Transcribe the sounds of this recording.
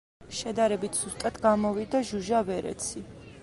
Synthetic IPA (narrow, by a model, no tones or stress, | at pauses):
ʃɛd̪aɾɛbit̪ʰz̥ust̪ʼat̪ʰɡamɔvid̪aʒuʒavɛɾɛ̰t̪sʰi